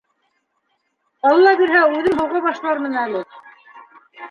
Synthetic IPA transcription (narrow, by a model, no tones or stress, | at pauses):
ɑlˠɤlˠɑbiɾɦæʉðɘnɦŏwʁɑβɑʃlˠɑɾmɤ̆nælɘ